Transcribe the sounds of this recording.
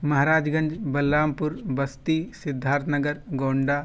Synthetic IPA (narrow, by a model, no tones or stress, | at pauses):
mɐɦaɾaːd͡ʒɡɐnd͡ʒbɐlːaːmpuɾbɐst̪isɪd̪ʱːaːɾt̪nɐɡəɾɡoːɳɖa